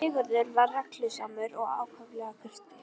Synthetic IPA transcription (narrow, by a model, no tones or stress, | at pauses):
ɪːɣʏɾðʏɾvarrɛklʏsamʏɾɔɣa̰ːwkʰœvlɛːɣaʏr̥t̪ɪ̥